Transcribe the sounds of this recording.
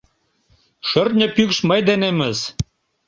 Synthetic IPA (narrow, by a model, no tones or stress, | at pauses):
ʃərt̪̚nʲə̆pykʃməjd̪enemɘ̆z